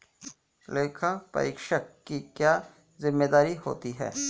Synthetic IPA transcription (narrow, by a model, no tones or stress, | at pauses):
leːkʰapə̰ɾiːkʃəkːikjaː | zɪmːeːd̪aːɾiɦo̰ːt̪iɦɛ̰ː